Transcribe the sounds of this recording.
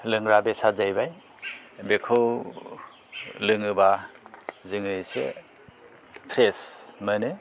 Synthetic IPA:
lɯŋɾabesazajbaj | bekʰɯw | lɯŋɯba | zɯŋɯjsḛ | pʰɾesmɯnɯ

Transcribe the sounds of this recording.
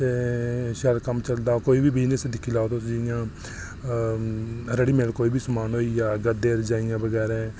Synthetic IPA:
teːʃəɾkəmt͡ʃəld̪aːkoːiːbiːbiːnesd̪ɪkʰːiːlaːot̪osd͡ʒɪjãː | ɾəɽiːmeːlkoːiːbiːsəmaːnɦoːijaːɡəd̪eːɾd͡ʒaːɪjãːbəɡɛːɾɛ̃ː

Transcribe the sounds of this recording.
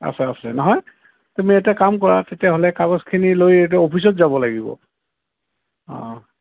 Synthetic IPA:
a̰sɛasɛnɔɦɔj | tumietɛkamk̬ɔɹatetiaɦolɛkaɡɔskʰinilojet̬ɛopʰis̬ɔtzabɔlaɡibɔ̰ | ɔ̰̃

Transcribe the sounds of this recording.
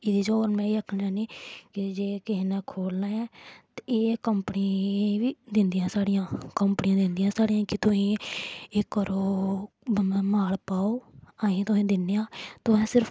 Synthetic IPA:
ɪd̪iːd͡ʒooːɾmɛ̃ːiːəkʰnːaːniːkɪd͡ʒeːkɪɦiːnɛ̃ːkʰoːlnaːɛːt̪eeːkəmpniʋiːd̪ɪnd̪ijãːsaːɽijãːkəmpɳijãːd̪ɪnd̪ijãːsaːɽijãːkɪt̪ʊsĩːɪkːəɾoː | maːɽpaːoːaːĩːt̪ʊsĩːd̪ɪnːeːãːt̪ʊɦɛ̃ːsɪɾp

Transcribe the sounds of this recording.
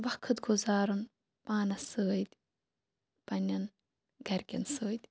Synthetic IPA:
ʋɐkʰɨt̪ɡuzaːɾun | paːnɐsəːjt̪ʲ | pɐnʲːɐn | ɡɐɾkʲɐ̰nsəːjt̪ʲ

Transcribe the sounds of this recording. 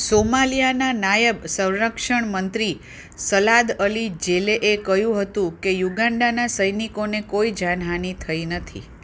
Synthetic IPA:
somalijananajəbsə̃w̃ɾəkʃəɳmənt̪ɾi | səlad̪əlid͡ʒeleʔekəɦjũɦət̪ũkejuɡaɳɖanasəjnikonekoid͡ʒanɦanit̪ʰəinət̪ʰḭ

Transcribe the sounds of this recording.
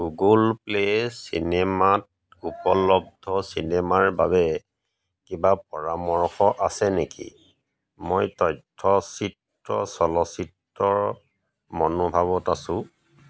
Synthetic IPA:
ɡuɡulplesḭnemat̚ | upɔlɔb̚dʱɔsinemaɹbabɛ | kibapɔɹamɔɹxɔʔasɛnekḭ | mojtɔjtʰːɔsit | ɹɔ̰sɔlɔsitː | ɔɹ | mɔnubʱaβɔtasʊ̃

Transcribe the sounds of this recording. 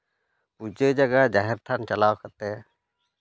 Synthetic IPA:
pud͡ʒed͡ʒəɡad͡ʒaɦɛɾt̪ʰant͡ʃəlawkət̪ɛ

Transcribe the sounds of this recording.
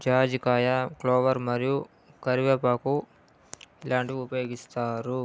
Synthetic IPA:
d͡ʒaːd͡ʒikaːjɐkloːʋɐɾmɐɾiju | kɐɾiʋepaːku | ilaːɳʈiiupɐjoːɡist̪aːɾu

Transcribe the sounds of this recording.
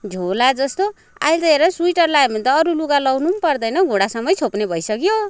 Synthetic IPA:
d͡zʱolad͡zʌst̪o | a̰jlt̪ʌeɾʌsuiʈʌrlaebʱʌnt̪ʌːɾuluɡalʌwnumpʌrd̪ʌjnʌɡʱoɽasʌmːʌjt͡sʰopnebʱʌjsʌkjo

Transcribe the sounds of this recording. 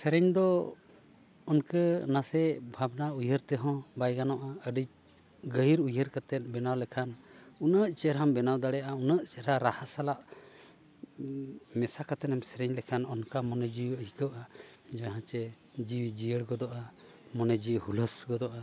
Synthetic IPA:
sɛɾɛɲd̪ɔ | ɔnkənasɛbʱabnaujəɾt̪ɛɦɔ̃bajɡanɔʔaəɖi | ɡəjɾujəɾkat̪ɛt̪̚ˀbɛnawlɛkʰanunəʔt͡ʃɛɾambɛnawd̪aɽɛjaʔaunəʔt͡ʃɛɾaɾahasalaʔ | mɛsakat̪ɛnamsɛɾɛɲlɛkʰanɔnkamɔnɛd͡ʒiwəhikəwʔa | d͡ʒaɦãt͡ʃɛ | d͡ʒiwd͡ʒijəɽɡɔd̪ɔʔa | mɔnɛd͡ʒiwhuləsɡɔd̪ɔʔa

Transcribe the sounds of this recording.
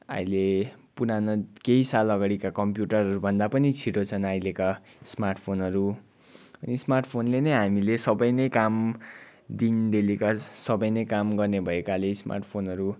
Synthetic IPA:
a̰jlepunanʌkeisalʌɡaɽikakʌmpjuʈʌrʌɾubʱʌnd̪apʌnit͡sʰiʈot͡sʰʌnajleka | smarʈpʰonʌɾu | ʌnismarʈpʰonlenʌjɦamilesʌbʌjnʌjkam | d̪inɖelikasʌbʌjnʌjkamɡʌrnebʱʌekalesma̰rʈpʰonʌɾu

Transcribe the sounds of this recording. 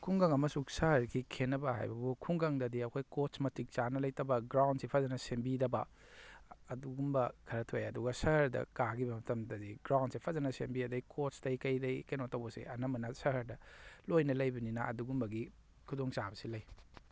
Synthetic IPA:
kʰuŋɡɐŋɐmɐsusɐhɐɾɡikʰenːɐbɐha̰jbɐbukʰuŋɡɐŋdɐdiɐkʰojkotsmɐtik̚t͡ʃanɐlɐjtɐbɐɡɾawnsipʰɐzɐnɐsembidɐbɐ | ɐduɡumbɐkʰɐɾɐtʰojɐduɡɐsɐhɾdɐ̰kaɡibɐmɐtɐmdɐdiɡɾawnsipʰɐzɐnɐsembiɐdɐkʰotsdɐjkɐjdɐjkenotɐwbɐsḭɐnɐmɐnɐsɐɦɐɾdɐlojnɐlɐjbɐninɐɐ̰duɡumbɐɡi | kʰudoŋt͡ʃabɐsilɐj

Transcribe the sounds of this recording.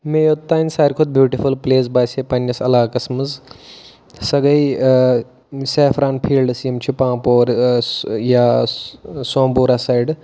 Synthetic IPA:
mejot̪ːaːnʲsaːɾkʰod̪̚bʱjuːʈifulpleːs̬baːsepɐnjɐsɐ̰laːkɐsmɐz | sɐɡi | seːfʰɾaːnpʰiːlɖsijɐmt͡ɕʰipãːpoːɾ | ja | sõːmboːɾasaiɖ

